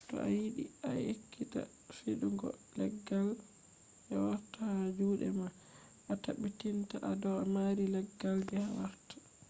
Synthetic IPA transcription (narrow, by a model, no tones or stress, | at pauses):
tɔ̰ʔajiɗiajekʰːita̰ | fiɗuŋɡɔ̰lɛɡːal | ʔɛwaɾtahad͡ʒuːɗɛma | ʔataɓitintaʔadɔamaɾilɛɡːaldɛhawaɾtḁ